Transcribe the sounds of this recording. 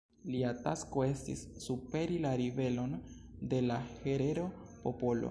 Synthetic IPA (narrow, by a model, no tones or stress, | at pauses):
liatasko̞e̞stḭsːupe̞ɾilaɾive̞lo̞n | de̞lahe̞ɾe̞ɾo̞ | po̞po̞lo̰